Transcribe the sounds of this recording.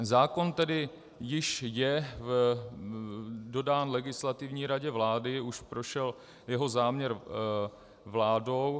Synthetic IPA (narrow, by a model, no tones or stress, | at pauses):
zaːko̞nt̪ɛdɪ | jɪʃjɛv | do̞daːnlɛɡɪslat̪ɪvɲiːɾaɟɛvlaːdɪuʃpɾoʃɛl | jɛɦo̞zaːmɲɛɾ | vlaːdo̞w